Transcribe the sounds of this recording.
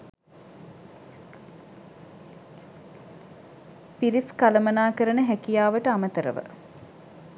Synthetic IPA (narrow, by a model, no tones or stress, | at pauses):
piɾiskaləmənaːkəɾənəɦækijaːʋəʈəamət̪əɾə̰ʋə̰